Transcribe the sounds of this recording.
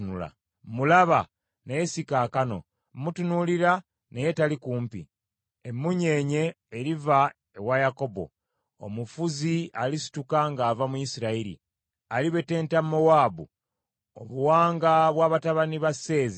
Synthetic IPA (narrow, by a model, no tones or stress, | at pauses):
nula̰ | mulaβa | neje̞sikaːkano̞̰ | mutunuliɾa | neje̞talikuːmpḭ | emːuɲe̞ːɲe̞ː | ɾiva | ewajako̞bo̞̰ | o̰mufuzialisi̥tukaŋɡaːvamuisiɾaiɾḭ | aliβe̞te̞ːntamːowaːbṵ | o̰βuwaːŋɡaβwaːβataβaniβase̞ːzi